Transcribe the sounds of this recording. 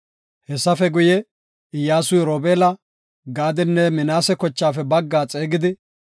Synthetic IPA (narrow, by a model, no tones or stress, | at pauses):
hɛsːɐfɛɡʊjɛ | ɪjaːsʊjɾoːbeːlɐ | ɡaːd̪ɪnːɛmɪnaːsɛkɔt͡ʃːaːfɛbɐɡːaːt͡sʼeːɡɪd̪ɪ